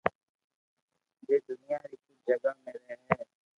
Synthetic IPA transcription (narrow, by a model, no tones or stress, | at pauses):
d͡ʒeːd̪ʊnɪjaːɾiːkʊd͡ʒəɡaːmẽɾɛːɦɛ̃ː